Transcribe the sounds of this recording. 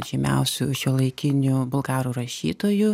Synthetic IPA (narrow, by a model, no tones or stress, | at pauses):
ʒʲɪmʲɛ̰ʊsʲuʃʲulˠɐɪkʲɪnʲʊbʊlˠɡɑːɾuːɾɐʃʲiːt̪oːju